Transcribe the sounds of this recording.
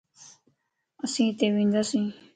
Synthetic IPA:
əsĩːt̪eːʋĩːnd̪aːsĩː

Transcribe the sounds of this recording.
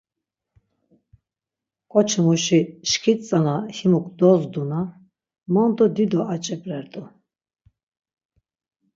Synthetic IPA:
kʼɔt͡ʃʰmuʃiʃkʰit̪ʼt͡sʼanahimukʰʼd̪ɔzd̪una | mɔnd̪ɔd̪id̪ɔat͡ʃʼɛpʼɾɛɾd̪ʼɔ

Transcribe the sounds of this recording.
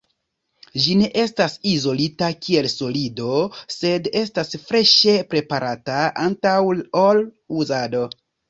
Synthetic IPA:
d͡ʒine̞ʔe̞stasizo̞litakʰie̞lso̞lido̞se̞de̞stasfɾe̞ʃe̞pɾe̞paɾataantawol | uzado̞

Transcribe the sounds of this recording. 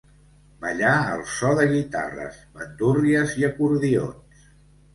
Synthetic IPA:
bəʎaə̰lˠsɔðəɣit̪a̰rə̰zβənt̪uriəziəkuɾðio̰ns

